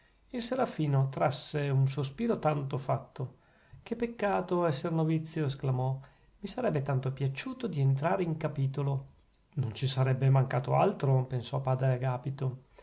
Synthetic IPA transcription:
ilseɾafiːnot̪ɾasːeuns̬ospiːɾot̪ant̪ofat̪ːo | kepːekːaːt̪oɛsːernovit̪sːjoesklamɔ | misaɾɛbːet̪ant̪opjat͡ʃuːt̪od̪ient̪ɾaːɾeiŋkapiːt̪olo | nont͡ʃisaɾɛbːemaŋkaːt̪oa̰lt̪ɾopensɔpaːd̪ɾeɡaːpit̪o

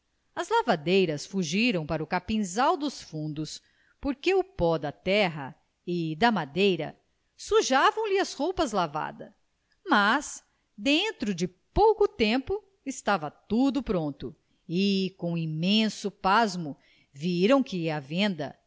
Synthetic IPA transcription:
ɐzlavad̪ejɾɐsfuʒiɾɐ̃w̃paɾʊkapĩzawd̪ʊsfũnd̪ʊs | poɾkeʊpɔd̪ɐt̪ɛɦɐ̰ | ɪd̪ɐmad̪ejɾɐ̰ | suʒavɐ̃w̃lɪɐshowpɐzlava̰d̪ɐ | mas | d̪ẽnt̪ɾʊd͡ʒɪ | powkʊt̪ẽmpʊ | ɪst̪avɐt̪ud̪ʊpɾõnt̪ʊ | ɪkõw̃imẽsʊpazmʊ | viɾɐ̃w̃kɪɐvẽnd̪ɐ̰

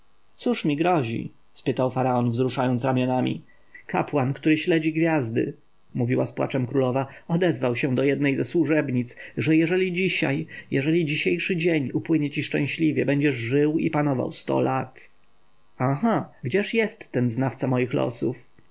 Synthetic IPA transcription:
t̪suʂmʲiɡɾɔʑḭ | spɘt̪awfaɾaɔnvzɾuʂajɔnt̪ɾamʲjɔnamʲḭ | ka̰pwankt̪uɾɘɕlɛd͡ʑiɡvʲjazd̪ɘ̰ | muvʲiwaspwa̰t͡ʂɛmkɾulɔvaɔd̪ɛzvawɕɛ̃d̪ɔjɛd̪nɛjzɛswuʐɛbɲit̪sʐɛjɛʐɛlʲid͡ʑiɕa̰jjɛʐɛlʲid͡ʑiɕejʂɘd͡ʑeɲupwɘɲɛt͡ɕiʂt͡ʂɛ̰̃w̃ɕlʲivʲjɛbɛɲd͡ʑɛʐʐɘwḭpanɔva̰wst̪ɔ̰lat̪ | axaɡd͡ʑɛʂjɛst̪ːɛnznaft̪samɔjixlɔ̰suf

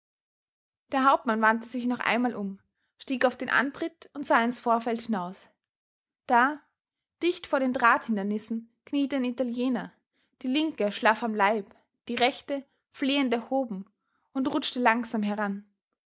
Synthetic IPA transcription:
d̥eːɐɦaʊp̚tmanvantəzɪçnɔχʔa̰ɪnmaːlʔʊm | ʃtiːkaʊfd̥eːnʔa̰ntʁ̥ɪtʊntz̥aːɪnsfoːɐfɛlthɪnaʊs | d̥aː | d̥ɪçtfoːɐɾeːndʁaːthɪndɐnɪsn̩ | kʰniːtədanitaljeːnɐ | d̥iːlɪŋkəʃlafamlaɪp | d̥iːʁɛçtə | fleːəntɛɐhoːbm̩ | ʊntʁʊt͡ʃtəlaŋzaːmɦɛʁan

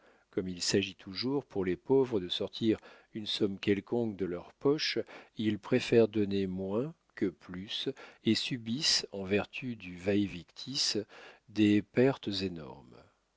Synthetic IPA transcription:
kɔmilsaʒit̪ʰuʒuʁpuʁlepovʁəd̪əsɔʁt̪ʰiʁ | ynsɔmkʲɛlkɔ̃kd̪əlœʁpɔʃilpχefɛʁd̪ɔnemwɛ̃ | kəplysesybisɑ̃vɛʁt̪ʰyd̪yvɛjvikt̪ʰisd̪epɛʁt̪zenɔ̰ʁm

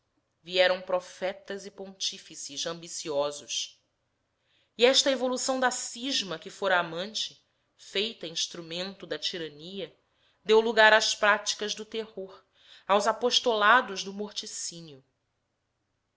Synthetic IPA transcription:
viɛɾɐ̃w̃pɾɔfɛt̪ɐzɪpõnt͡ʃifisɪzɐ̃mbisiɔzʊʃ | iɛʃt̪ɐevolusɐ̃w̃d̪asiʒmɐkɪfoɾɐːmɐ̃nt͡ʃɪ̥ | fejt̪ɐĩʃt̪ɾumẽnt̪ʊd̪ɐt͡ʃiɾɐ̃niɐ | d̪ewluɡaɾaspɾat͡ʃi̥kɐʒd̪ʊt̪ehoɾ | awzapoʃt̪olad̪ʊʒd̪ʊmoɾt͡ʃisĩnjʊ

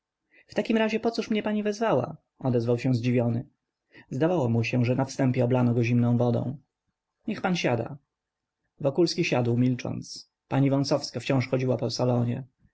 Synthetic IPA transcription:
ft̪akʲimɾaʑɛpɔt̪suʂmɲɛpaɲivɛzvawa̰ | ɔd̪ɛzvawɕɛ̃zd͡ʑivʲjɔnɘ | zd̪avawɔmuɕɛʐɛnafst̪ɛmpʲjɛɔblanɔɡɔʑimnɔ̃w̃vɔd̪ɔ̰̃w̃ | ɲɛxpanɕad̪a̰ | vɔkulskʲiɕad̪wmʲilt͡ʂɔ̰nt̪s | paɲivɔñsɔfskaft͡ɕɔ̃w̃ʂxɔd͡ʑiwapɔsalɔɲɛ

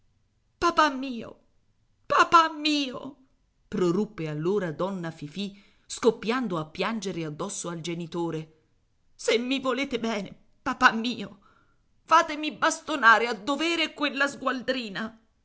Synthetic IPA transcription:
papamːiːo̰ | papamːiːo̰ | pɾorupːealːoːɾad̪ɔnːafifi | skopːjand̪oapːjand͡ʒeɾead̪ːɔsːoald͡ʒenit̪oːɾe | semːivoleːt̪ebɛːnḛ | papamːiːo | faːt̪emibast̪onaːɾead̪ːoveːɾekwelːazɡwald̪ɾiːna

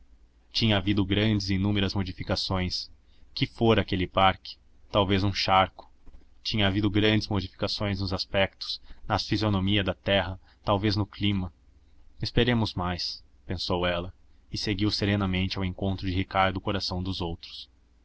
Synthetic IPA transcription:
t͡ʃĩɲɐavid̪ʊɡɾɐ̃d͡ʒɪzinũmeɾɐzmod͡ʒifikasõj̃s | kɪfoɾakelɪpaɾkɪ̥ | t̪awvezũʃaɾkʊ̥t͡ʃĩɲɐavid̪ʊɡɾɐ̃nd͡ʒɪzmod͡ʒifi̥kasõj̃znʊzaspɛk̚t̪ʊ̥z̥nɐfizionomiɐd̪ɐt̪ɛɦɐ | t̪awveznʊklĩmɐ | ɪspeɾẽmʊzmajs | pẽsowɛlɐ | ɪseɡiwseɾenɐmẽnt͡ʃɪawẽŋkõnt̪ɾʊd͡ʒɪɦikaɾd̪ʊkoɾasɐ̃w̃d̪ʊzowt̪ɾʊ̥s

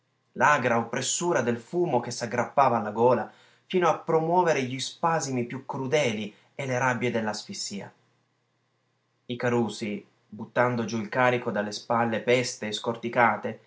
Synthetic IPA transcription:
laɡɾaopːɾesːuːɾad̪elfuːmok̟esːaɡːɾʔapːaːvaːlːaɡoːla | fiːnoapːɾomwɔːveɾeʎispazimipjukːɾud̪ɛːli | elːeɾabːjed̪elːasfisːiːa̰ | ikaɾuːsi | but̪ːand̪od͡ʒuilkaːɾikod̪alːespalːepɛst̪eːskort̪ikaːt̪e

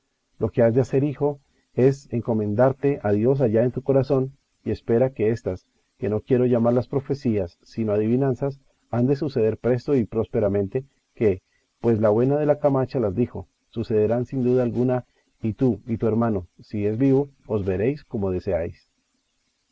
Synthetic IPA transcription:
lo̞ke̞azd̪ease̞ɾixo̞ | e̞se̞ŋko̞mẽ̞nd̪aɾt̪e̞ʔaðjo̞s̬aʝae̞nt̪uko̞ɾaso̞n | ie̞spe̞ɾake̞e̞st̪as | ke̞no̞kje̞ɾo̞ʝamaɾlaspɾo̞fe̞siasːino̞aðiβinãnsas | and̪e̞suse̞ðe̞ɾpɾe̞st̪o̞ipɾo̞spe̞ɾamẽ̞nt̪e̞ | ke̞ | pwe̞slawe̞naðe̞lakamat͡ʃalazd̪ixo̞ | suse̞ðeɾansind̪uðaːlɡuna | it̪uit̪ue̞ɾmano̞sie̞zbiβo̞ːzbe̞ɾe̞jsko̞mo̞ðe̞se̞ajs

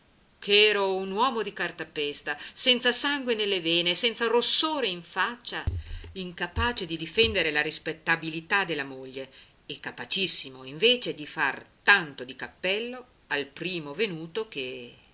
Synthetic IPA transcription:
kʰeɛːɾounwɔːmod̪ikart̪apɛst̪asɛnt̪sasaŋɡwenelːeveːnesɛnt̪sarosːoːɾeiɱfat͡ʃːaiŋkapaːt͡ʃed̪id̪ifɛnd̪eɾelaɾispet̪ːabilit̪ad̪elːamoʎːeː | kːapat͡ʃisːimoiɱveːt͡ʃed̪ifart̪ant̪od̪ikapːɛlːo | alpɾiːmovenuːt̪ok̟e

